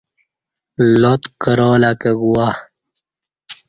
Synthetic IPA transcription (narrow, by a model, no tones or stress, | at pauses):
lot̪kəɾoːlakeɡuwa